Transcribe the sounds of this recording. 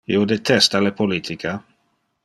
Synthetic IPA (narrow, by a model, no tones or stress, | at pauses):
jod̪et̪ʰɛst̪alepʰolit̪ʰikʰa